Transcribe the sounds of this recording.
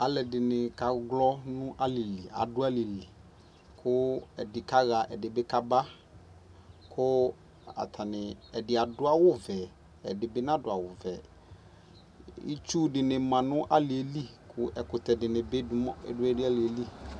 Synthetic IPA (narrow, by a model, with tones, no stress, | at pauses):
a˨lɛ˨dɪ˨nɪ˨ka˨ɡlɔ˦nʊ̃˦ʔa˦li˨li˨a̰˨dʊ˦a˦lɪ˨lɪ˨ | kʰʊ˦ɛ˨dɪ˨ka˦ɣa˨ʔɛ˨dɪ˨bɪ˦ka˦ba˦ | kʰʊ˦ | a̰˨t̪ʰa˨nɪ˨ɛ˨dɪ˨a˨dʊ˦a˨wʊ˦vɛ˨ | ɛ˨dɪ˨bɪ˦nã˦dʊ˨a˨wʊ˨vɛ˨ | ḭ˦t͡ʃu˦dɪ˨nɪ˨mã˨nʊ̃˦ʔa˦lɪ˨e˨li˦kʰʊ˦ʔɛ˨kʊ˨tɛ˨dɪ˨nɪ̃˨bɪ˦ʊ˦ɪ̰˦dʊ˦ɛ˦dɪ˦a˦lɪ˨e˨li˦